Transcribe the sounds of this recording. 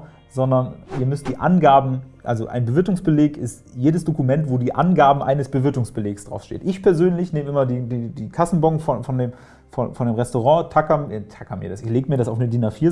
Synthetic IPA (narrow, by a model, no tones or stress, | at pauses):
zɔndɐnʔiːɐmʏstd̥iːʔa̰nɡaːbm̩ʔa̰lzo̰ʔa̰ɪnbəvɪɐtʊŋsb̥əleːkɪstjeːdəsd̥okumɛntv̥oːdiːʔa̰nɡaːb̩ʔa̰ɪnəsb̥əvɪɐtʊŋsb̥əleːksd̥ʁa̰ʊsʃtḛːtʔɪçpʰɛɐzøːnlɪçneːməʔɪmɐdiːdiːdiːkʰasn̩bɔkŋ̩fɔnfɔndeːm | fɔ̰nfɔndeːmʁɛstoʁɑ̃ːtʰakɐmtʰakɐmḭɐdasɪçleːɡəmiːɐɾasaʊfnədinafiːɐ